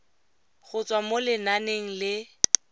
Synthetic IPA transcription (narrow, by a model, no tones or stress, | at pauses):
ɣʊt͡sʼwamolɪnaneŋ̩lɪ